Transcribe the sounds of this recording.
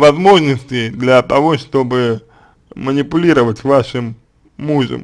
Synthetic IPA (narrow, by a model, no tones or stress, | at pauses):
vɐzmo̞ʐnəsʲtʲɪd̪lʲɐt̪ɐvo̞ʂt̪o̞bɨ | mənʲɪpʊlʲiɾəvətʲvaʂɨmː | uʐə̰m